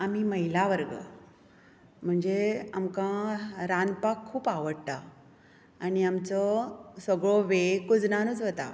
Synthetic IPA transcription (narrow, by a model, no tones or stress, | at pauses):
am̤iməɦilaʋəɾɡə̰ | m̤əɳd͡zeamkãɾanpakʰːuːpaʋəɽt̪a | aniamt͡sɔsəɡɭoʋekud͡znanuːt͡sɦot̪a̰